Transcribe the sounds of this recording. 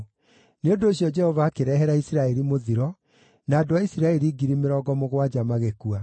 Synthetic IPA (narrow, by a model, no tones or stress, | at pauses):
neondoːɕjɔd͡ʒɛhɔvakeɾɛɦɛɾaisiɾaɛɾimoðiɾɔ | naːdoaisiɾaeɾiɡiɾimeɾɔɡɔmoɣwad͡ʒamaɣekua